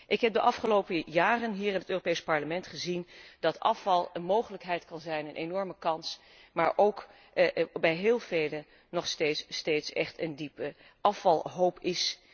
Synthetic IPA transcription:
ʔɪkɦɛp̚dəʔɑfχəlowpəjaːrənɦiːɹɪnətøːropejspɑɹləmɛntχəzind̥ɑtɑ̰fɑlˠənmowχələkɦɛjtkɑnzɛjnənʔenɔɹməkɑns | maːɹʔowk | bɛjɦɪːlˠvejlə | nɔχstejtstejtsɛ̰χtəndipə | ʔɑfɑlˠɦowpɪs

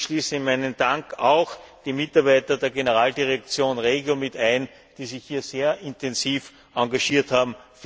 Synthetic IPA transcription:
ʃliːsɪmæɪnənd̥aŋkʰaʊxd̥iːmɪtaɐbæɪtɐdeːɐɡenəʁaːldiʁɛk̚t͡sjoːnʁeːɡjomɪtæɪn | d̥iːzɪçhiːɐzeːɐɪntɛnziːf | ʔãŋɡaʃiːɐthaːbm̩f

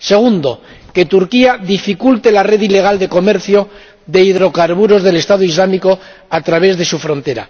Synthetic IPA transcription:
se̞ɣ̞und̪o̞ | ke̞t̪uɾkiaðifikult̪e̞lare̞ðile̞ɣ̞ald̪e̞ko̞me̞ɾθjo | ðe̞iðɾo̞kaɾβuɾo̞zðe̞le̞st̪aðoizlamiko̞ | at̪ɾaβe̞zðe̞sufɾõ̞nt̪e̞ɾa̰

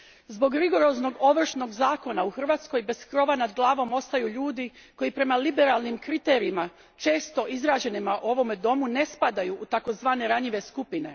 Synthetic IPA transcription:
zbo̞ɡɾiɡo̞ɾo̞zno̞ɡo̞ʋr̩ʃno̞ɡzaːko̞nauxr̩ʋaːt̪sko̞jbe̞skɾo̞ʋanad̪ɡlˠaːʋo̞mo̞st̪ajuʎuːd̪i | ko̞jipɾe̞malibe̞ɾalˠnimkɾit̪e̞ːɾiima | t͡ʃe̞ːst̪o̞ʔizɾaːd͡ʑe̞nimaʔuo̞ʋo̞med̪o̞mune̞spad̪ajuʔːt̪ako̞zʋaːne̞ɾaɲiʋe̞skupine̞̰

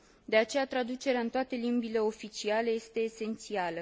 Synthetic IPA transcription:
d̪e̞at͡ʃe̞jat̪ɾad̪ut͡ʃe̞ɾeaɨnt̪oat̪e̞limbile̞o̞fit͡ʃiale̞je̞st̪e̞ːse̞nt̪sialə

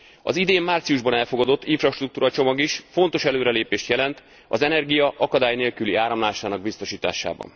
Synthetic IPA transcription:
ɒ̰zid̪eːmːaːrt̪siuʒbɒnɛlfo̞ɡɒd̪o̞t̪ːiɱfrɒʃt̪rukt̪uːɾɒt͡ʃo̞mɒɡiʃfo̞nt̪o̞ʃɛløːɾɛleːpeːʃt̪jɛlɛnt̪ | ɒzɛnɛrɡijɒʔɒkɒd̪aːjneːlkyliaːɾɒmlaːʃaːnɒɡ̚bist̪o̞ʃiːt̪a̰ːʃa̰ːbɒ̰n

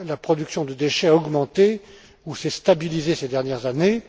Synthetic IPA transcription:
lapχɔd̪yksjɔ̃d̪əd̪eʃɛaɔɡmɑ̃t̪e | usɛst̪abilizesed̪ɛʁnjɛʁzane

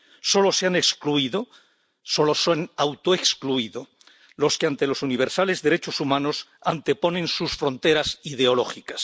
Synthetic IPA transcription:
so̞lo̞seanekskluiðo | so̞lo̞sonawt̪oekskluiðo̞ | lo̞skeant̪e̞lo̞suniβ̞e̞ɾsale̞zðe̞ɾet͡ʃo̞sumãno̞sant̪e̞po̞nẽ̞nsusfɾo̞nt̪e̞ɾasið̞eo̞lo̞xikḁs

